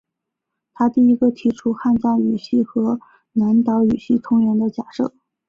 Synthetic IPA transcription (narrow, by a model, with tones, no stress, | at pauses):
t̪ʰa˥t̪i˥˩i˧˥ɡə˧t̪ʰi˧˥ʈ͡ʂʰu˥xa˥˧nt͡ɕɑ˥˩y˨˩ɕi˥˩xɤ˧˥ | na˧˥nt̪ɑ˧˥ʊy˨˩ɕi˥˩t̪ʰʊ˥ŋɥɛ˧˥nd̪ə˧t͡ɕja˨˩ʂɤ˥˩